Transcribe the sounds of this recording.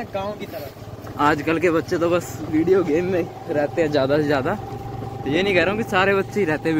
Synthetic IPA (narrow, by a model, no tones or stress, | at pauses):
kãːkit̪əɾə | aːd͡ʒkəlkebətːʃeːt̪õːbəsʋiːɖijoːɡeːmːẽː | ɾɛːt̪eːɛ̃ːzjaːd̪aːzjaːd̪aː | jeːnəĩːkɛːɾaõːkisaːɾeːbətːʃeiːɾɛːt̪e